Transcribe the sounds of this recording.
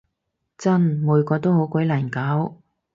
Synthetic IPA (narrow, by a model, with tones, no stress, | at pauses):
t͡sɐ˥nmuː˨˧jkɔː˧t̪o˥who˨˥wkʷɔ˨˥jlaː˨˩nkaː˨˥w